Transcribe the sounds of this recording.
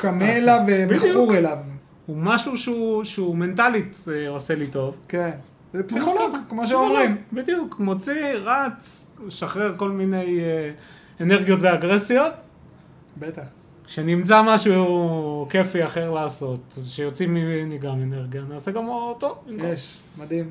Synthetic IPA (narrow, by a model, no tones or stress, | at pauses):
kameːlavebuʁelav | umaʃuʃuʃeume̞ntalit̪oselito̞vken | zɛpsiχoloɡkmoʃ̬emʁimbid̪ijukmot͡siʁat͡sʃaχeʁko̞lmine̞j | eneʁɡijo̞tveaɡʁesjo̞t̪ | bet̪aχ | ʃenimt͡samaʃu | ke̞fiaχe̞ʁlaːso̞t̪vʃejo̞t͡siminiɡameneʁɡiaːnioseɡamotovimkoeʃ | mad̪im